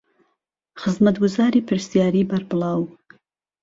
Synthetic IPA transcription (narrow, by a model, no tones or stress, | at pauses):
χəzmat̪ɡʊzaːɾiːpʰɨɾsijaːɾiːbaɾbɨlɑːw